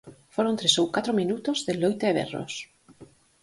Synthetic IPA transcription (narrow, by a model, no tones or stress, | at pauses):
foɾont̪ɾesowkat̪ɾomĩnut̪ozðelojt̪eeβḛro̰s